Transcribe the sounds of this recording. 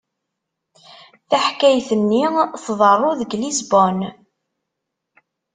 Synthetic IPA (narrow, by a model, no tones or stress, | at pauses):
θæħkæjθənːiθðˤərˤʊðəɡlizbɔn